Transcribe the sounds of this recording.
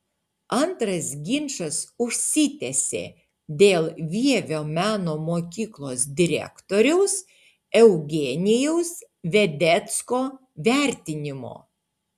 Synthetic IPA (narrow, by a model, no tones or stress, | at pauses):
ɐnt̪ɾɐsɡʲɪnʲʃɐsʊʃʲsʲɪt̪ʲɛsʲḛː | d̪ʲeːlˠʋʲiɛʋʲoːmʲæːnoːmoːkʲiːklˠoːsd̪ʲɪɾʲɛ̰kt̪oːɾʲɛʊs | ɛʊɡʲeːnʲɪjɛʊs | ʋʲɛd̪ʲɛt̪skoː | ʋʲæˑɾʲt̪ʲɪnʲɪmo̰ː